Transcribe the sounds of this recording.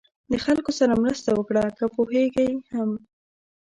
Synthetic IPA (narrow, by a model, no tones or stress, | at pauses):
d̪əxalkosaɾamɾəst̪awəkɽakapoheɡajham